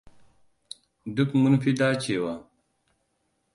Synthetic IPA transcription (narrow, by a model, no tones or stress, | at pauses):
d̪ukmunfid̪aːt͡ɕʰeːwɐ